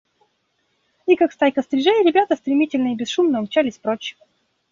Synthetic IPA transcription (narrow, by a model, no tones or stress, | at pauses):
ikakst̪ajkəst̪ɾʲɪʐɛjɾʲɪbʲat̪əst̪ɾʲɪmʲitʲɪlʲnəibʲɪsʂumnəɐmt͡ɕalʲɪsʲpɾot͡ɕːɪ̥və